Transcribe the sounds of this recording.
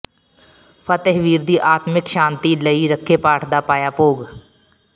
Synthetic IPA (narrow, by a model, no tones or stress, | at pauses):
pʰət̪əɦʋiːɾd̪iʔaːt̪mɪkʃãːnt̪iləiɾəkʰːepaːʈʰd̪apaːjaːpoːɡ